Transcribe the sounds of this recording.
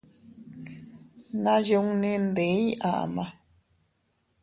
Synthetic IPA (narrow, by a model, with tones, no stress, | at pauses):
nã˦ju˧˦ŋnĩ˦˧nd̪e˨˦i˦ʔa˨ʔa̰˨mã˧